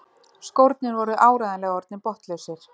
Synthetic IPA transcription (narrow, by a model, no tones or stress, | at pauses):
skowɾt̪̚nɪnɾvɔɾʏʔaːwɾajðanɛːɣɔɾt̪nɪpɔht̪lesɪɾ̥